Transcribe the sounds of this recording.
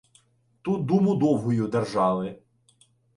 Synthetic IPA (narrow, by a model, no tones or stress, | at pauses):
t̪ut̪̚d̪umʊd̪ɔwɦʊjʊd̪erʒɑʋˠɪ